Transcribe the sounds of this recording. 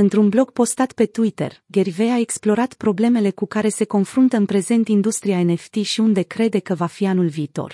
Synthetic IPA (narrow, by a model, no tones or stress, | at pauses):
ɨnt̪ɾunblo̞ɡ̚po̞st̪at̪pe̞t̪uit̪ḛrɡʲeɾiveaeksplo̞ɾat̪pɾo̞ble̞me̞le̞kukaɾe̞se̞ko̞nfɾunt̪əɨnpɾe̞ze̞nt̪ind̪ust̪ɾiaeneft̪iʃiund̪e̞kɾe̞d̪e̞kəvafianulviːt̪o̞̰r